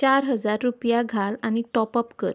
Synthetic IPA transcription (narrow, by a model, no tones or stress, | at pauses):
t͡ɕaɾɦəd͡zaɾːupjaɡʱalañiʈɔpəpkəɾ